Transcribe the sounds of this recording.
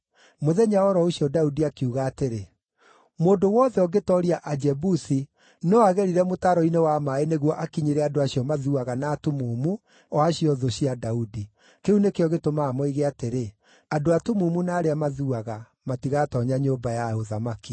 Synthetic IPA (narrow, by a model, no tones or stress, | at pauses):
moðɛɲaɔɾɔoɕiɔdaudiakeuɣaːteɾe | moːndowɔðɛɔɡetɔɾiaʔad͡ʒɛbusi | nɔaɣɛɾiɾɛmotaɾɔinewamaeneɣwɔʔakiɲeɾɛadoaɕiɔmaðuaɣanaːtumumu | ɔaɕiɔðoɕiadaudi | keunekeɔɣetomaːmɔiɣeateɾe | adoatumumunaːɾeamaðuaɣa | matiɣatɔɲaɲoːmbajaoðamaki